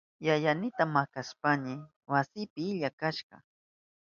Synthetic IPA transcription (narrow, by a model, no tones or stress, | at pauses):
jajanɪt̪amakaspanɪ | wasɪpɪɪʎakaʃɢɑ̰